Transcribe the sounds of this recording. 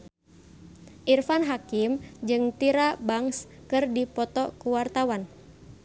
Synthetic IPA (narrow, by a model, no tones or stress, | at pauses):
ʔirfanɦakimd͡ʒɨŋt̪iɾabaŋskɨrdipɔt̪ɔkuwart̪awan